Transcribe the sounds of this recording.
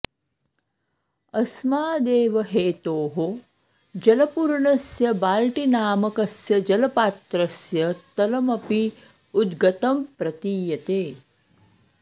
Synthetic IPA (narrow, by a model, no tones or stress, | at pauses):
ɐsmaːd̪eːʋɐɦeːt̪oːɦo | d͡ʒɐlɐpuɾɳɐsjɐbaːlʈinaːmɐkɐsjɐd͡ʒɐlɐpaːt̪ɾɐsjɐt̪ɐlɐmɐpi | ud̪ɡɐt̪ɐmpɾɐt̪iːjɐt̪eː